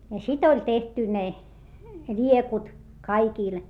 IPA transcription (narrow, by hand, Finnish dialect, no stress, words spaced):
jɑ sit olʲ tehty ne lʲiekut kɑikiˑl